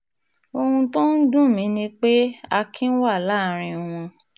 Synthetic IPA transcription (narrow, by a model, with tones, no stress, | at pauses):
o˧hũ˧tɔ̃˦n̩˦dũ˦˨mĩ˨˦nĩ˧k͡pe˦a˧kʰĩ˦n̩˦wa˦˨la˦˨ɾ̃ĩ˧w̃ɔ̃˧